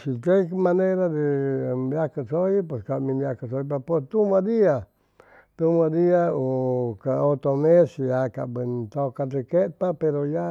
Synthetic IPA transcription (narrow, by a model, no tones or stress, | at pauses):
sikemãneɾad̪ebakasoip̬weskamĩmakasoipapest̪umãd̪ia | t̪umãd̪iaokaot̪omesjaka̰bɨnt̪okad̪ekep̪apeɾoja